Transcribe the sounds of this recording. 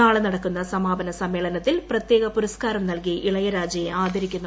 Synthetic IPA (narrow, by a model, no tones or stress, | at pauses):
aːɭɐnɐɽɐkːunːɐsɐmaːbɐnɐsɐmːe̞ːɭɐnɐt̪ːilprɐt̪jeːɣɐpuɾɐskaːɾɐmnɐlkijʔiɭɐjɐɾaːd͡ʑjɐjeaːd̪ʱɐɾikʲːunːɐ